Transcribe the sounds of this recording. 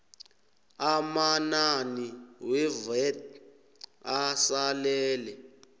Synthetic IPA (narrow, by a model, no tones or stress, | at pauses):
amananiwɛvɛt̚ | asalɛːlɛ